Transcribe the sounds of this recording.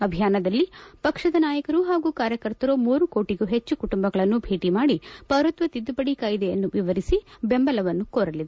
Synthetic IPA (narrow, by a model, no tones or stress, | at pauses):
ɐbʱijaːnɐd̪ɐlːipɐkʂɐd̪ɐnaːjɐkɐɾuɦaːɡuːkaːɾjɐkɐɾt̪ɐɾomuːɾuko̞ːʈiɡuɦet͡ʃːukuʈumbɐɡɐɭɐnːubʱeːʈimaːɽipɐʋɾɐt̪ʋɐt̪id̪ːupɐɽikaːjid̪ejɐnːuʋiʋɐɾisibe̞mbɐlɐʋɐnːukoːɾɐlid̪e